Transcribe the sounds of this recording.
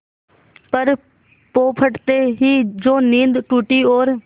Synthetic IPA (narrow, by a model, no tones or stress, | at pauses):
pəɾ | poːpʰəʈt̪eːɦiːd͡ʒoːnĩːnd̪ʈuːʈioːɾ